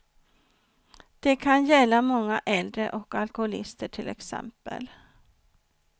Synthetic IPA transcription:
d̪̥ɛkʰanjɛlːamɔŋːaʔɛld̪ɾəʔɔkalkʊʊlɪ̰st̪əʈʰɪlɛ̰ksɛ̰mpə̰l

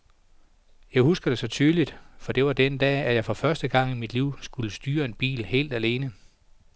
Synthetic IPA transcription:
jɑ̈ɪhusɡ̥ɐd̥e̝sɒ̽t͡sʰyːðˠlid̥fɒ̽d̥e̝ʋɑ̈d̥end̥ɛ̰ːæjɑ̈ɪfɒ̽fɶɐsd̥əɡ̥ɑ̈ŋ̰imid̥liʊ̰sɡ̥uləsd̥yːɐe̝nb̥ḭːlhe̝̰ːld̥æle̝ːnə

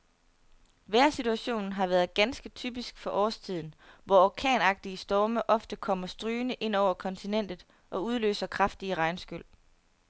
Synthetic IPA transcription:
ʋæɐ̰sit͡sʰuæɕo̝̰ːn̩ɦɑ̈ʋæːɐð̞ˠɡ̥ænsɡ̥ət͡sʰy̰b̥isɡ̥fɒ̽ʔɒ̰ːst͡sʰið̞̰ˠn̩ʋɒɒkʰɛ̰ːnɑ̈ɡ̥̚d̥iəsd̥ɒːməʔɒ̽fd̥əkʰɒ̽m̰ɐsd̥ʁyːnəʔe̝n̰ɒʊɐkʰɒ̽nt͡sʰinen̰d̥ð̩ˠ | ʔɒ̽uð̞ˠlø̰ːsɐkʰʁɑ̈fd̥iəʁɑ̈ɪnsɡ̥øl̰

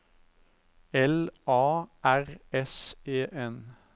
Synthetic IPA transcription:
ɛlʔɑːʔæʁɛseːʔɛn

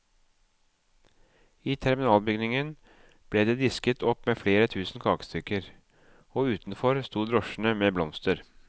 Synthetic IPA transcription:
iːt̪ʰɛɾmɪnɑːlbʏɡnɪŋən | b̥leːd̪eːd̪ɪskət̪ʰɔpːmeːfleːɾət̪ʰʉːsn̩kʰɑːkst̪ʰʏkəɾ | oːʉːt̪n̩fɔɾst̪uːd̪ɾɔʃn̩əmeːblɔmst̪əɾ

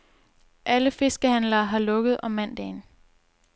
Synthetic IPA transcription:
ʔæləfe̝sɡ̥əhænlɐːɦɑ̈lɔ̽ɡ̥əð̞̩ˠɒ̽mːæn̰d̥ɛːn

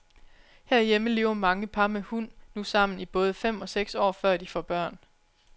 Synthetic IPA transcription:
hæɐ̰ijeməle̝ːʊɐmɑ̈ŋəpʰɑ̈mehun̰ːusɑ̈m̰n̩ib̥ɔ̽ːð̞ˠəfem̰ɒ̽seɡ̥sɒ̰ːfɶɐ̰d̥ifɒb̥ɶɐ̰n

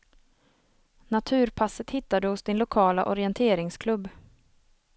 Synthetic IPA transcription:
nat̪ʰʉ̟ːɾpʰasət̪hɪt̪ːad̪əhʊsd̪ɪnlʊkʰɑːla̰ʔɔɾɪɛnt̪ʰeːɾɪŋskʰlɵbː

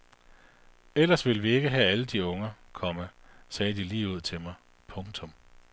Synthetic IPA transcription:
el̰ɐsʋe̝lʋie̝ɡ̥əɦææləd̥iɔ̽ŋɐkʰɒ̽məsɛːd̥iliːuð̞̰ˠt͡sʰe̝lmɑ̈ɪ | pʰɔ̽ŋt͡sʰɔ̽m

